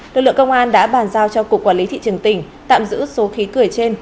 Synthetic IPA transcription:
lɨ˨˩k̚lɨ˧˨ə˨kə˧wŋ͡mʔaː˧nɗa̰ː˧˥ɓaː˨˩nzaː˧wt͡ɕɔ˧ku˨˩k̚ːwaː˧˩li˨˦t̪ʰḭ˧˨t͡ɕɨ˨˩əŋt̪ï˧˩ŋ̟ | t̪a̰ː˧˨mzɨ̰˧˥so˨˦xi˨˦kɨ˨˩əjt͡ɕe˧n

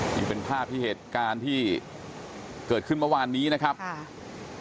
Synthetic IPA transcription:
t͡ɕi˧ŋpe˧npʰaː˥˩p̚t̪ʰiː˥˩heː˨˩t̪̚kaː˧nt̪ʰiː˥˩ | kɤː˨˩kʰɯ˥˩nmɤ˥˩waː˧nːiː˦˥na˦˥kʰa˦˥p̚

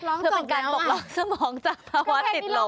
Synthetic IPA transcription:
ɯ˥˩e˧nkaː˧nbɔ˨˧˩lɔː˦˥ŋsa˧mɔː˩˦ŋt͡ɕaː˨˩k̚pʰaː˧wa˦˥t̪ːi˨˩lo˨˩

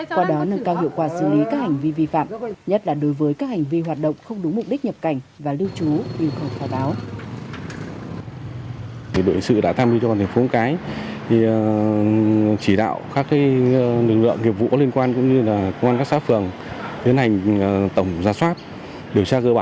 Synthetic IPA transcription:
kwaː˧ɗɔ˨˦nə˧ŋkaː˧whḭ˧˨əwkwaː˧˩sɨ˧˩li˨˦kaː˦˥k̚ha˨˩ŋ̟vi˧vi˧fa̰ː˧˨mɲə˦˥t̚laː˨˩ɗo˨˦jvəː˨˦jkaː˦˥k̚ha˨˩ŋ̟vi˧ɦwaː˨˩t̚ɗə̰˧˨ŋ͡mxə˧wŋ͡mɗʊ˨˦ŋ͡mmʊ˨˩k͡p̚ɗi˦˥k̚ɲə˨˩p̚ka˧˩jŋ̟vaː˨˩li˧wt͡ɕu˨˦ɲi˧əwkə˨˩wfaː˨˦jɓaː˨˦w | ɗo̰˧˨hi˨˩ŋsɨ̰˧˨ɗa̰ː˧˥t̪ʰaː˧mi˧t͡ɕɔ˧aː˨˩t̪ʰŋ̟fo˨˦kaː˨˦jt̪ʰi˨˩ | t͡ɕi˧˩ɗa̰ː˧˨wkaː˦˥k̚ːa˨˦jlɨ˨˩k̚lɨ̰˧˨əŋːi˨˩əp̚vṵ˧˨kɔ˨˦li˧ənkwaː˧nkʊ̰˧˥ŋ͡mɲɨ˧laː˨˩kə˧wŋ͡mʔaː˧nka˦˥ksa̰ː˧˥fɨ˨˩əŋ | i˨˦ənha˨˩jŋ̟˩t̪ə˧˩wŋ͡mzaː˧swaː˦˥t̚ | ɗi˨˩əwt͡ɕaː˧kəː˧ɓaː˧˨

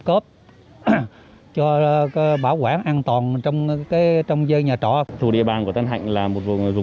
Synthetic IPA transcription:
kəː˦˥p̚ | t͡ɕɔ˧˦ɓaː˧˩wkwaː˧˩nʔaː˧nt̪waː˨˩nt͡ɕɔ˧wŋ͡mkaː˨˦jt͡ɕɔ˧wŋ͡mzəː˧ɲaː˨˩t͡ɕɔ̰˧˩t̪ʰu˧ɗḭ˧˨əɓaː˨˩nku˧˩ət̪a˨˦ŋ̟ɦa̰˧˨jŋ̟laː˨˩mo˨˩t̚vṵ˧˨ŋ˨˩jzʊ˨˩

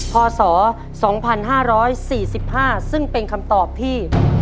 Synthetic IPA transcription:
kʰɔː˧sɔː˩˦ | sɔː˩˦ŋpʰa˧nɦaː˥˩ɾɔː˦˥jsiː˨˩si˨˩p̚haː˥˩sɯ˥˩ŋpe˧nkʰa˧mt̪ɔː˨˩p̚t̪ʰiː˥˩

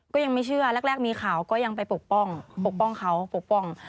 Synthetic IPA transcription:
kɔː˥˩ja˧ŋma˥˩jt͡ɕʰɯ˥˩ɐlɛ˧˥˩k̚lɛː˥˩k̚miː˧xʰaː˨˩˦wkɔː˥˩ja˧ŋpa˧jpo˨˩k̚pɔ˥˩ŋpo˨˩k̚pɔ˥˩ŋkʰa˦˥wpo˨˩k̚pɔ˧˥˩ŋ

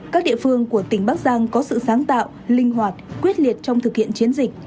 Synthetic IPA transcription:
kaː˦˥k̚ɗḭ˧˨əfɨ˧əŋku˧˩ət̪ï˩ŋ̟ɓaː˦˥k̚zaː˧ŋkɔ˨˦sɨ̰˧˨saː˨˦ŋt̪a̰ː˧˨w | lï˧ŋɦwaː˨˩t̚kwi˦˥ət̚li˨˩ət̚t͡ɕɔ˧wŋ͡mt̪ʰɨ˨˩k̚hḭ˧˨ənt͡ɕi˨˦ənzï˨˩k̚

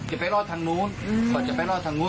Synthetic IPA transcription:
t͡ɕa˨˩˨pa˧˩˦lɔː˧˩t̪ʰaː˧ŋnu˨˦˥nmaː˧˩t͡ɕa̰˨˩pa˧˨˩lɔː˧˩t̪ʰa˧˩nu˨˦˥

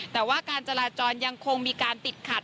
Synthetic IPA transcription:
t̪ɛː˨˩waː˥˩kaː˧nt͡ɕa˧laː˧t͡ɕɔː˧nja˧ŋkʰo˧ŋmiː˧kaː˧np̪i˨˩t̪̚kʰa˨˩t̪̚

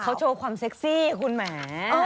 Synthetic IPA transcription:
kʰa˦˥wt͡ɕʰoː˧kʰwaː˧mse˦˥k̚siː˥˩kʰu˧nmaː˦˧

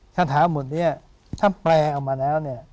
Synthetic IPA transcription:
sʰa˧t̪ʰaː˩˦mu˨˩˦t̪̚ni˦˥˩ɐ | t̪ʰaː˥˩plɛː˧ʔa˨˩maː˧lɛː˦˥wni˥˩ɐ

